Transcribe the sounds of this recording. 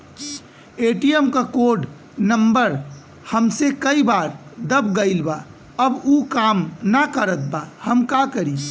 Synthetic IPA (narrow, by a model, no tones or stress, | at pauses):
eʈijəmkakoɖ | nəmbəɾ | həmsekəibaːɾd̪əbɡəɪlba | əbukamnəkəɾət̪̚bahəmkakəɾi